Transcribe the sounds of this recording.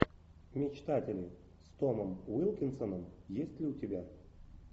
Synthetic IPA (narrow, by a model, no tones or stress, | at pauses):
mʲɪt͡ɕt̪atʲɪlʲɪ | st̪oməmvɨlˠkʲɪnsənəmjesʲtʲlʲɪʊtʲɪbʲa